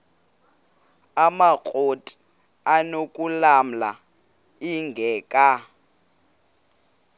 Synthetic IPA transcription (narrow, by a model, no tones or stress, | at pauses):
amakʼotʼi̥ | anokʼulam̩la̰ | iŋɡʱɛːkʼa